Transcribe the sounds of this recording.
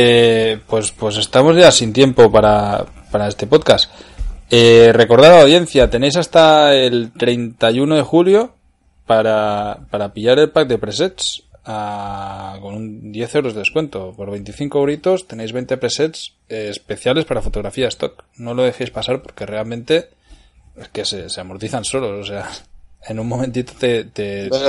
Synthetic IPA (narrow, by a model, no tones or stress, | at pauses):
epwe̞spwe̞se̞st̪amo̞zʝasint̪je̞mpo̞paɾa | paɾae̞st̪e̞po̞t̪kas | ere̞ko̞ɾð̞aɾawðje̞n̟θjat̪e̞ne̞js̬ast̪aelt̪ɾe̞jnt̪ajuno̞ðe̞xuljo̞ | paɾapaɾapiʎaɾe̞lpak̚d̪e̞pɾese̞ts | a | ko̞nund̪je̞θe̞wɾo̞zðee̞skwe̞nt̪o̞po̞ɾβe̞jnt̪iθiŋkoɾit̪o̞st̪e̞ne̞jzβent̪e̞pɾe̞set̪sː | spe̞θjale̞spaɾafo̞t̪o̞ɣɾafiaðest̪o̞kno̞lo̞ð̞e̞xejspasaɾpo̞ɾke̞re̞almẽ̞nt̪e̞ | ekese̞se̞amo̞ɾt̪iθanso̞lo̞sose̞aenunmo̞mẽnt̪it̪ot̪et̪e